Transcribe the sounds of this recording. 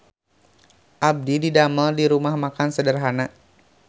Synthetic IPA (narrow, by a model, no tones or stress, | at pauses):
ʔab̚dididaməldiɾumahmakansədərɦana